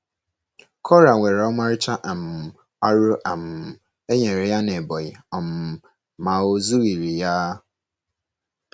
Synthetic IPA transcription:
kʰɔ˦ɾa˨ŋʷe˨ɾe˨ɔ˦ma˦ɾɪ˦t͡ʃa˦ʔa˨m̩˨ | a˦ɾʊ˦ʔa˨m̩˨ | e˦ɲe˨ɾe˨ja˦ne˨bɔ˨jɪ˨ɔ˨m̩˨ | ma˨o˦zu˦ɣi˨ɾi˨ja˦

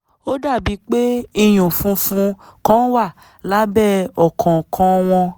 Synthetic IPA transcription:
o˦da˦˨bi˨˧˦k͡pe˦i˧j̃ũ˨fũ˨˦fũ˧˦kɔ̃˦wa˦˨ | la˨˦bɛ˦˨ɔ˨kʰɔ̃˨kʰɔ̃˨˧w̃ɔ̃˧

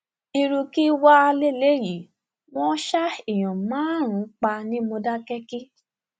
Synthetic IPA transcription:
i˧ɾũ˧ki˦wa˦a˧le˦˨le˦˨ji˨˦ | w̃ɔ̃˦ʃa˦i˨j̃ɔ̃˨mãː˨˦ɾ̃ũ˨˦k͡pa˧nĩ˦mõ˧da˦kɛ˦ki˦

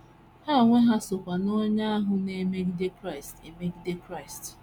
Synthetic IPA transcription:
ha˦o˨ŋʷe˦ɦa˦so˨kʷa˨no˦ɲa˦a˦ɦʊ˨ne˨me˦ɾi˦de˦kɾa˦ɪ˨stḛ˨me˦ɾi˦de˦kɾa˦˨ɪ˨st

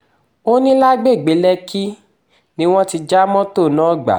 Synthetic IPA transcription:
o˦nĩ˦la˦ɡ͡be˦˨ɡ͡be˨˦lɛ˧ki˦ | nĩ˦w̃ɔ̃˦ti˧d͡ʒa˦mɔ̃˦to˦˨nãː˦˨ɡ͡ba̰˨

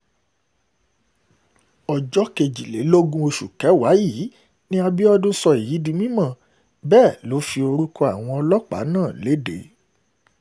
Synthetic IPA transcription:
ɔ˨d͡ʒɔ˦ke˨d͡ʒi˨le˨˦lo˦ɡũ˦o˧ʃu˨kɛ˨˦wa˨˦ji˨˦ | nĩ˦a˧bi˦ɔ˦dũ˦sɔ˧i˨ji˨˦di˧mĩ˦mã˦˨ | bɛː˦˨lo˨˦fi˧o˧ɾu˦kɔ˦a˨w̃ɔ̃˧ɔ˧lɔ˦k͡pa̰˨˦nãː˦˨le˨˦de˨˦

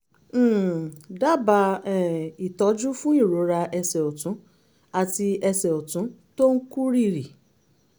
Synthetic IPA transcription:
da˦˨ba˧˦ɛ˨i˨tɔ˨˦d͡ʒu˦fũ˦i˦˨ɾo˨˦ɾa˧ɛ˧sɛ˨o˨tũ˨˦ | a˦˨ti˧ɛ˧sɛ˨o˨tũ˨˦to˦ŋ̩˦ku˦ɾi˦˨ɾi˨

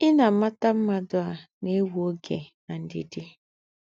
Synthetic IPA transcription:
ɪ˦na˨˦ma˦ta˦m̩˦ma˨dʊ˦a˨ne˦wu˨o˦ɡḛ˨na˨n̩˦dɪ̰˨dɪ˦

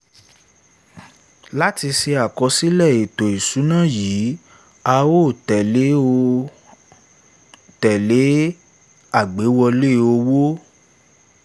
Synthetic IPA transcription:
la˦ti˧se˧a˨kɔ˧si˦lɛ˦˨e˨to˨i˨su˨˦nãː˦˨jiː˨˦ | a˧wo˦˨tɛ˨le˨˦o˧˦ | tɛ˨le˨˦ | a˦˨ɡ͡be˨˦wɔ˧le˦˨o˧wo˦

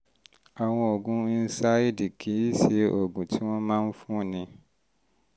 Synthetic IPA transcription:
a˨w̃ɔ̃˧o˨ɡũ˨˦i˦n̩˦sa˦i˦di˨kʰi˨˦i˦ʃe˧ʔo˨ɡũ˨tʰi˦w̃ɔ̃˦mãː˦n̩˦fũ˦˨nĩ˧

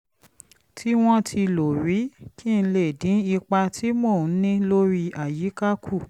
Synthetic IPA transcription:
tʰi˦w̃ɔ̃˦tʰi˧lo˨ɾi˨˦kʰi˦˨n̩˧le˦˨dĩ˨˦i˧k͡pa˧ti˦mo˦˨n̩˦nĩ˦lo˦ɾi˧a˨ji˨˦ka˦kʰu˦˨

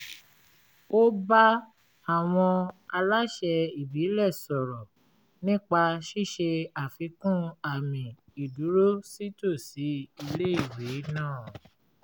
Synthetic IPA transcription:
o˦ba˦ | a˦˨w̃ɔ̃˧a˧la˦ʃɛ˧i˨bi˨˦lɛ˦˨sɔ˨ɾɔ˨ | nĩ˦k͡pa˧ʃi˦˨ʃe˧a˨fi˧kũ˦a˨mĩ˨ | i˨du˨˦ɾo˦si˦to˦˨si˨˦i˧le˦i˦˨we˨˦nãː˦˨

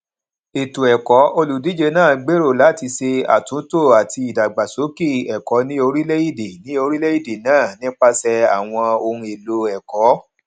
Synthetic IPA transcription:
e˨tu˨ɛ˨kɔ˨˦o˧lu˨di˨˦d͡ʒe˧nãː˦˨ɡ͡be˦ɾo˦˨la˨˦ti˧se˧a̰˨tũ˨˦to˦˨a˨ti˧i˨da˨ɡ͡ba˨so˨˦ki˦˨ɛ˨kɔ˨˦nĩ˦o˧ɾi˦le˦i˦˨de˨nĩ˨˦o˧ɾi˦le˦i˦˨de˨nãː˦˨nĩ˦k͡pa˦sɛ˧a̰˨w̃ɔ̃˧o˧ɾũ˧e˨lo˧ɛ˨kɔ˨˦

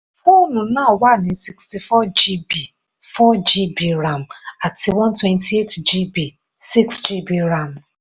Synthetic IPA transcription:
fɔ˦nu˨na˦˨wa˦˨ni˨˦si˨ksti˨fɔ˦d͡ʒi˦bi˨ | fɔ˦d͡ʒi˦bi˨ɾa˨m̩˨a˨tɪ˨wɔ̃˦n˦twɛ˦˨ntʰi˦e˦td͡ʒi˦bi˨ | si˦ksd͡ʒi˦bi˦ɾa˨m˨

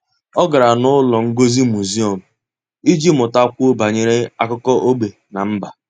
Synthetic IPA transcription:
ɔ˦ɡa˨ɾa˨nʊ˦lɔ˨ŋ̩˦ɡo˦zi˦mu˨zi˦o˨m̩˨ | i˦d͡ʒi˦mʊ˨ta˦kʷʊ˦o˦ba˨ɲe˨ɾe˦a˦kʊ˦kɔ˦ʔo˦ɡ͡be˨ | na˨m̩˦ba˨

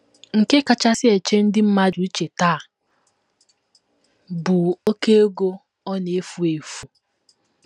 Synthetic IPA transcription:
ŋ̩˨ke˦ka˨t͡ʃa˦sɪ˦e˨t͡ʃe˦n̩˦dɪ˦m̩˦ma˦d͡ʒu˨i˦t͡ʃe˨taː˦˨ | bʊ˨o˦ke˦o˦ɡo˦ | ɔ˦ne˦fu˨e˨fu˨

